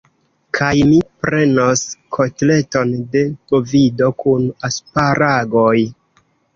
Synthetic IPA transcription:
kʰajmipɾe̞noskʰo̞tle̞to̞nde̞kovido̞kunaspaɾaɡoj

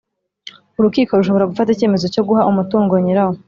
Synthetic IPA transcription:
uɾukiːko̞ɾuʃ̬oβo̞ɾaɡufatice̞ːme̞zo̞co̞ɡuhaʔumutuːŋɡoɲiɾaho

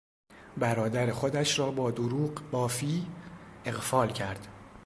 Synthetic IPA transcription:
bæɾɒːd̪æɾe̞xod̪æʃɾɒːbɒːd̪oɾuːɢbɒːfiːe̞ɣfɒːlcʰæɾd̪̥

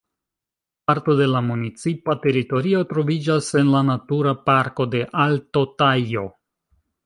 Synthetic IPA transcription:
paɾto̞de̞lamunit͡sipate̞ɾito̞ɾio̞tɾo̞vid͡ʒase̞nlanatuɾapaɾko̞de̞ʔalto̞tajo̞

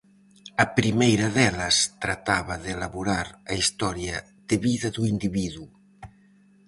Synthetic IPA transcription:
ɐpɾimejɾɐðɛlɐst̪ɾat̪aβɐðelaβuɾaɾɐist̪ɔɾjɐ | ð̥eβiðɐðuind̪iβiðu

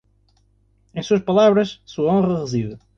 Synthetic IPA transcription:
ẽj̃suɐʃpɐlˠaβɾɐʃsuɐõʁɐʁɨziðɨ

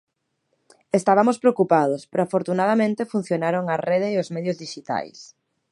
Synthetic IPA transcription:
est̪aβamʊspɾeokupað̞ʊspeɾoafoɾt̪unaðamẽnt̪efun̟θjonaɾoŋɐreðeːozmɛðjʊzðiʃit̪a̰js

